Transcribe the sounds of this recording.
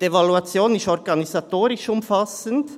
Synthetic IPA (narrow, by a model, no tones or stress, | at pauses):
evaluat͡sjoːnɪsɔɾɡɑnizatoːɾɪʃʊmfasənt